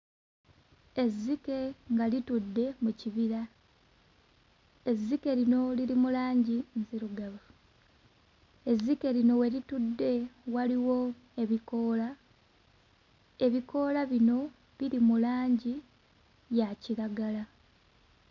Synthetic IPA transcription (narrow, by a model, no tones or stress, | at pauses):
e̞zːike̞ŋɡalitudːe̞muciβiɾa | e̞zːike̞lino̞liɾimulaːɲɟinziɾuɡaβa | e̞zːike̞lino̞we̞litudːe̞waliwo̞ | e̞βiko̞ːla | e̞βiko̞ːlaβino̞ | βiɾimulaːɲɟi | jaciɾaɡala